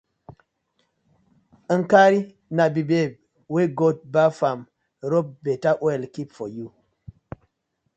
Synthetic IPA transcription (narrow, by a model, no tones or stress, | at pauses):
ənkaɾi | nabibeb̚ | weɡot̚bafam | ɾop̚betaʔwelkipfɔju